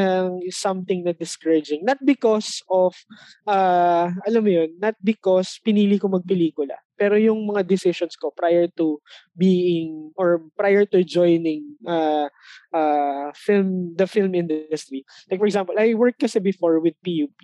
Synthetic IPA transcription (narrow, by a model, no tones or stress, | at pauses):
ɐŋsɐmt̪ɪŋnɐd̪ɪskɐɹɐd͡ʒɪ̃ŋnɐt̪̚bɪkɔsɔfʔaːʔɐlamːʊjonːɐt̪̚bɪkospɪniːlikomɐɡ̚pɛliːkʊlɐ̰pɛːɾojʊŋmɐŋad̪ɪsɪʃɔnskopɾajɛɹt̪u | biːʔɪŋʔɔɹpɾajɛɹt̪ud͡ʒɔjnɪŋʔa | ʔafɪlmd̪ɐfɪlmɪ̃nd̪ʊst̪ɾi | lajk̚fɔɹɛɡsãmpɔlʔɐjwɛɹk̚ːɐsɛbɪfoɔɹwɪd̪̚pijuːpi